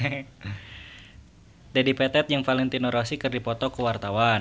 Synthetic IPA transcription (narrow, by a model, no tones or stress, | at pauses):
dadipɛt̪ɛt̪̚jaŋfalɛnt̪inɔɾɔsikɨrdipɔt̪ɔkəwart̪awa